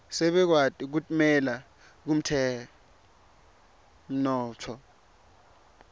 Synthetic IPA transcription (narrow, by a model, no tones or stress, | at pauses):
sɛɓɛk̬watʼik̬utʼmɛla | k̬um̩tʰɛ | m̩nɔːtʰɔ